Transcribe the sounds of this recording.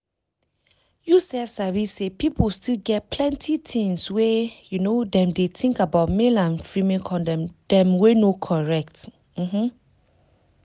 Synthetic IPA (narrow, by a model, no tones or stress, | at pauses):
jusɛlfsawisepipʰəlstilɡɛt̚pʰlɛ̃ntʰitʰɪ̃ŋswejunodɛ̃mdetʰɪ̃ŋkabaʊt̚melãnfɹimɛ̃kʰɔ̃ndɛ̃md̥ɛ̃mwenokʰɔɹɛk̚t | m̩m̥m̩